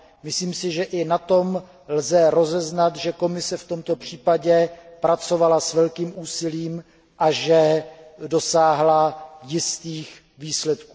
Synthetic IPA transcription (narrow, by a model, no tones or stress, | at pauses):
mɪsliːmsɪʒɛʔɪnat̪o̞m | lzɛɾo̞zɛznat̪ʒɛko̞mɪsɛft̪o̞mt̪o̞pr̝̥iːpaɟɛpɾat͡so̞valasvɛlkiːmuːsɪliːm | ʔaʒɛdo̞saːɦlajɪst̪iːx | viːslɛt̪kuː